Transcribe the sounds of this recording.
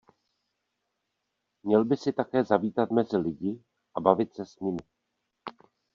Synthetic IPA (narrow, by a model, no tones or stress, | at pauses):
mɲɛlbɪsɪt̪akɛːzaviːt̪at̪mɛzɪlɪɟɪ | ʔabavɪt̪sɛsɲɪmɪ